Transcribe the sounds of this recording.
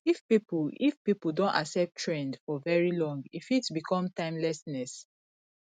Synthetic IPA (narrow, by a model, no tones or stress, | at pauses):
ifpipifpipdõnta̰ksɛp̚tʰːɹẽndfɔvɛɹilɔ̃ŋɡifitbikʰɔ̃mtãɪ̃mlɛsnɛs